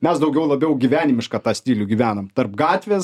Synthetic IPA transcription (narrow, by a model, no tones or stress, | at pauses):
mʲɛsd̪ɐʊɡʲɛʊlˠɐbʲɛʊɡʲiʋʲæːnʲɪmʲɪʃkɑːt̪ɑːsʲt̪ʲiːlʲʊɡʲiːʋʲæːnɐmt̪ɐɾpɡɑːt̪ʲʋʲeːs